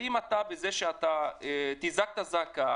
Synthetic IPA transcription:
imat̪abezeʃeat̪aet̪izak̚t̪azaka

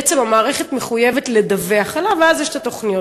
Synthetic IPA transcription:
et͡se̞mamaːʁeχe̞t̪me̞χujevetle̞d̪aveaχalaveazjeʃet̪ʰat̪o̞χnijo

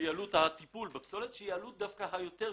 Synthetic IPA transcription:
jalut̪hat̪ipulbepso̞let̪ʃejealut̪̚d̪afkaɦajo̞t̪e

